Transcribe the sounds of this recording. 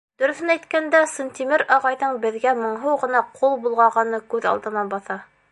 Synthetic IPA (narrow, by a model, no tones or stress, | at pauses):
d̪̥ɵ̆ɾɵ̆θɘ̆næjt̪kænd̪æsɤnt̪imɘɾɑʁɑjðɤɴbɘ̆ðɡæmɤ̆ɴɦɤwʁɤ̆nɑqʰulˠbulˠʁɑʁɑnɤkʉðɑ̰lˠd̪ɤ̆nɑbɑθɑ